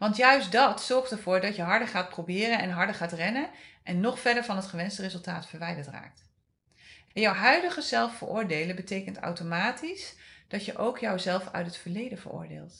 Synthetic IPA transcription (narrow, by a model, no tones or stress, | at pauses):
ʋɑntjœɥsdɑtsɔɹχtɛɹvʊːɹdɑtjəɦɑɹdəɹχaːt̚prowbɪːrənɛnɦɑɹdəɹχaːtrɛnəʔɛnːɔχfɛɹdəɹvɑnɦətχəʋɛnstərezɵlˠtaːtfəɹʋɛjdəɹtra̰ːk̚t | ɛjɔwɦœɥdəχəzɛlˠffə̰ɹʔʊːɹdejləbətejkənta̰wtomaːtisd̥ɑtjəʔowkjɔwzɛlˠfœ̰ɥtɦətfəɹlejdəvə̰ɹʊ̰ːɹdḛːlˠt